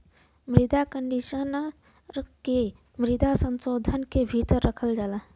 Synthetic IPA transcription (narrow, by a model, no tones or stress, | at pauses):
mɾɪd̪akəɳɖiʃən | ke | mɾɪd̪asə̃nsod̪ʱənkebʱit̪əɾːəkʰəld͡ʒaːla